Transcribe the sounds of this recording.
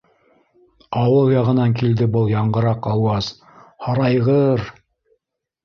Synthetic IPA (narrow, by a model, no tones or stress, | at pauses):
ɑwɤlˠjɑʁɤ̆nɑŋkild̪ɘbɤlˠjɑɴɢɤ̆ɾɑqɑwɑz̥ | hɑɾɑjʁɤɾ